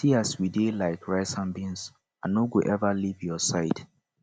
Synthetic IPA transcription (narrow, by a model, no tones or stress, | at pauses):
siaswidelaɪkɹaɪsãnbĩns | anoɡuʔɛvalivjɔsaɪd